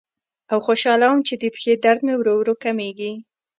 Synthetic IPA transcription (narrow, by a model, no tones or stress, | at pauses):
awxoʃɑlawəmt͡ʃed̪əpxed̪aɾd̪mewɾowɾokameɡi